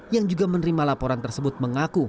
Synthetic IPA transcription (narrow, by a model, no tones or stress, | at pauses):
jaŋd͡ʒuɡamənəɾimalapoɾant̪ərsəbʊt̪̚məŋaku